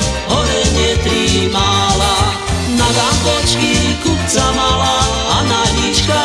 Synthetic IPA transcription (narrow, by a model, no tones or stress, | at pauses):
ɦɔɾɛɲɪɛt̪ɾimala | naɡambɔt͡ʃkikup̚t͡samala | anaɦit͡ʃka